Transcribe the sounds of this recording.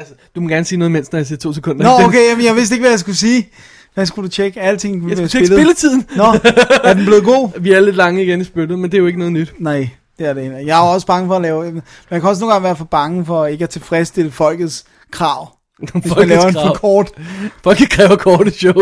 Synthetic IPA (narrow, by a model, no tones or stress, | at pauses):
ælsəd̥umɒɡæɐnəsiːnɔð̩ˠmen̰snɒjsḭɐ̰t͡sʰo̝̰ːsekʰɔ̽n̰d̥ɐnɒoʊkʰemnjɑ̈ɪʋe̝sd̥eɡ̥ʋæjäs̬ɡ̥usiː | ʋæsɡ̥ud̥ut͡ɕʰeɡ̥əæl̰t͡sʰe̝ŋlæɐsbelð̩elət͡sʰið̰ˠn̩nɒæɐd̥enble̝ːð̩ˠɡ̥o̝̰ːʋiæle̝d̥lɑ̈ŋəiɡ̥enisb̥ølð̩ˠmend̥e̝æjoe̝ɡənɔ̽ːð̩ˠnyd̥nɑɪ̰ | d̥e̝æɐdejɑ̈ɒ̽sb̥ɑ̈ŋəfɒ̽ːlɛːʊ | menjɑkʰæɒ̽s̬noːnŋɡɑ̈ŋʋæɐfælb̥ɑ̈ŋəfɒ̽e̝ɡ̥əæɐt͡sʰe̝lfʁɛsd̥e̝ləfɒ̽l̰ɡ̥ð̞̩ˠs | kʰʁɑ̈ʊ̰ | lɛːʊɐefɒkʰɒːd̥fɒ̽l̰ɡ̥ð̩ˠkʰʁɛːʊɐkʰɒːɾ̥əɕɔʊ